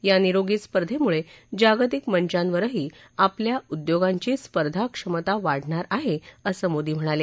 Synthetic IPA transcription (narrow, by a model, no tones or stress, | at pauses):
janiɾoɡiːspəɾd̪ʱemuɭed͡ʑaɡt̪ikməɲt͡ɕãnʋəɾəɦiː | apljaud̪joɡaɲt͡ɕiːspəɾd̪ʱakʂəmət̪aʋaɽ̤ɳaɾaɦeəsəmod̪iːm̤əɽ̃ale